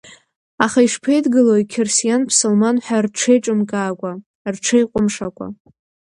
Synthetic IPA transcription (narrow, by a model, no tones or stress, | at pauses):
aχaiʂpʰejdɡɨlojkʲʰersijanpʰsolmanħʷarʈ͡ʂʰejʈ͡ʂʼɨmɡʼaːkʷʼa | rʈ͡ʂʰejqʷʼʊmʂakʷʼa̰